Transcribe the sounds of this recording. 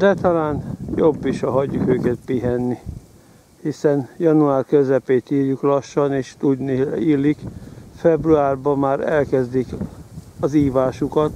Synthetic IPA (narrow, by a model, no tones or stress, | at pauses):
d̪ɛt̪ɒlaːnjo̞bːiʃɒɦɒɟːukøːkɛt̪̚piɦɛnːi | hisɛnjɒnuaːrkøzɛpeːt̪iːrjuklɒʃːɒneːʃt̪uɟ̪niiːlːikfɛbruaːrbɒmaːɾɛlkɛzd̪ik | ɒziːvaːʃukɒt̪